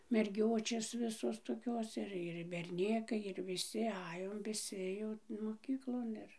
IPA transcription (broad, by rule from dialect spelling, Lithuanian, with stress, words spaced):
mʲɛrʲˈɡʲoːt͡ʃʲeːs ˈʋʲɪsoːs toːˈkʲoːs ˈɪr ɪr bʲɛrʲˈnʲeːkɐɪ ɪr ʋʲɪˈsʲɪ ˈɑːjoːm ʋʲɪˈsʲɪ jɛʊ moːˈkʲiːklˠoːn ɪr